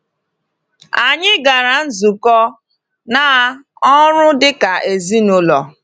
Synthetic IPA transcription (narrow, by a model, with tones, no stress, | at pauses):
a˨ɲɪ˦ɡa˨ɾa˨n̩˦zu˨kɔ˦ | na˨˦ | ɔ˦ɾʊ˦dɪ˦ka˨ʔe˨zi˦nʊ˦lɔ˨